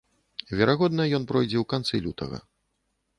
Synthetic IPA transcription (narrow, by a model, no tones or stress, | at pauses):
vʲɛɾaɣɔd̪nɐjɔnpɾɔjd͡zʲɛwkant̪sɨlʲut̪ɐ̰ɣɐ̰